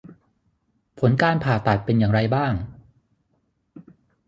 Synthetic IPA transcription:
pʰo˩˦nkaː˧npʰaː˨˩t̪a˨˩t̪̚pe˧njaː˨˩ŋɾa˧jbaː˥˩ŋ

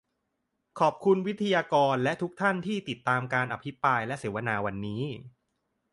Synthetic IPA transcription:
kʰɔː˨˩p̚kʰu˧nwi˦˥t̪ʰa˧jaː˧kɔː˧nlɛ˦˥t̪ʰu˦˥k̚t̪ʰa˥˩nt̪ʰiː˥˩t̪i˨˩t̪ːaː˧mkaː˧nʔa˧pʰi˦˥pɾaː˧jlɛ˦˥ʔseː˩˦wa˧naː˧wa˧nːiː˦˥

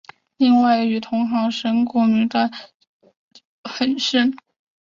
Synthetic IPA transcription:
li˥˧ŋwa˥˩ɪy˨˩t̪ʰʊ˧˥ŋxɑ˧˥ŋʂə˥nkɔ˥˩my˧˥t̪a˥˩˥ | xə˨˩nʂə˥n

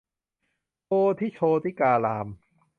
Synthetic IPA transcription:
tʰoː˧t̪ʰiː˥˩t͡ɕʰoː˧t̪ʰiː˥˩kaː˧laː˧m

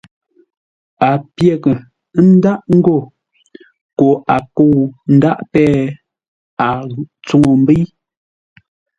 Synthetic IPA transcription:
a˨pje˦˨kə˨˦ | n̩˦da˦ʔŋ̩˦ɡo˦˨ | ko˨ʔa˨ko˦˨n̩˦da˦ʔpɛː˦ | a˨t͡su˦ŋo˨m̩˦bi˦j

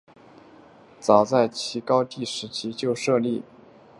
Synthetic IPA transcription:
t͡sɑ˨˩ʊt͡sa˥˩ɪt͡ɕʰi˧˥kɑ˥ʊt̪i˥˩ʂɻ̩˧˥t͡ɕʰi˥t͡ɕjo˥˧ʊʂɤ˥˧li˥˩

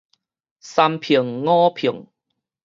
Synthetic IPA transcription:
sa˧mpʰi˨˩ŋːɔ̃˦pʰi˨˩əŋ

